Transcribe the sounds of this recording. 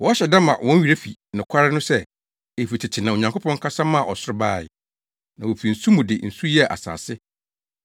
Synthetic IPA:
wɔ˦a˦ɕɛ˨da˦mã̰˨wʔɔ̃˦ɥi˨ɾe˦fḭ˨nʊ̃˨kʰa˦ɾɪ˦nʊ̃˦sɛ˦ | e˨fi˨tʰɪ˨t͡ɕʰɪ˨nã˨o˨ɲã˨kʰo˦pʰɔ̃˦ŋ̩˦kʰa˦sa˦mã˦˨ʔɔ˨sʊ˦ɾɪ˦baː˦˨ɪ̰˨ | nã˨wo˨fi˨n̩˨su˦mũ˨dɪ˨n̩˨su˦jɛ˦˨ʔa̰˨sa̰ː˨sɪ˦

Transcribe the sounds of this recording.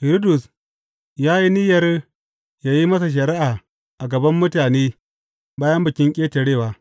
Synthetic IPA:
hɪ˨ɾi˦dʊ˨s | jaː˦ji˦nɪ˦jɐ˨r | jaː˦ji˦mɐ˦s̬a˨ʃ̬ɐ˨ɾɪ˦ʔaː˨ | ʔa˨ɡɐ˨bɐ˦mːʊ˦taː˨neː˦ | baː˦jɐ˦mbɐ˨kʲɪ˦ŋkʲʼeː˦te˨ɽeː˦˨waː˨

